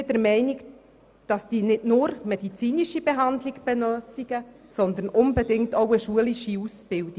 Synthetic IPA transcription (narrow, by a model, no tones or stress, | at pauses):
d̥əɾmɛɪnɪk | d̥ɑsd̥iːnɪdnʊːɾmɛdit͡siːniʃibeɦɑndlɪɡb̥ɛnøːtɪɡ̥ə | sɔnd̪ənʔʊnbɛdɪŋktoʊəʃuəliʃiusb̥ɪldi